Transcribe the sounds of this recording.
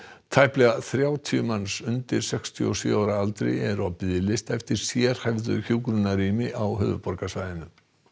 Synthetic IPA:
t̪ʰajhplɛɣaθɾjaːwt̪ʰiʏmanːsʏnt̪ɪɾ̥sɛkst̪ʰḭɔsjʏ̰aːwɾaalt̪ɾḛjɛɾɔpɪðɪlɪst̪ɛjft̪ɪɾ̥sjɛɾ̥hɛvðʏçuːkɾʏnaɾiːmɪʔawɦʏ̰ːvʏ̰pɔɾkasvajðɪnʏ

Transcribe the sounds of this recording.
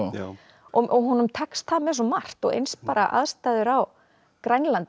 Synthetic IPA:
ɔɔɣɦunʏmt̪ʰɛkst̪θaðmɛsɔmar̥t̪ɔɣḛjnspaːɾaʔa̰ðst̪aːjðʏɾaw | kɾajnlant̪

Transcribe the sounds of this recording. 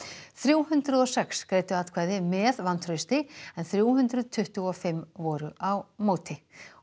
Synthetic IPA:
θɾjuːwɦʏnt̪ɾʏðɔsɛkskɾeːjt̪ʏaːt̪kʰvaːjðɪmɛðvant̪ʰɾʏst̪ɪɛnθɾjuwɦʏnt̪ɾʏðt̪ʰʏht̪uɔfɪmːvɔːɾʏʔawmoːwt̪ʰɪ

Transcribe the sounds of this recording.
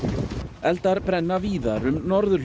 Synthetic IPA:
ɛlt̪aɾpɾɛnːaviːðaɾʏmnɔɾðʏl

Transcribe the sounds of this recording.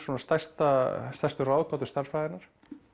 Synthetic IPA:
ɔnast̪ajst̪ast̪ajst̪ʏrawðkawt̪ʏ̥st̪aɾfajðɪnaɾ̥

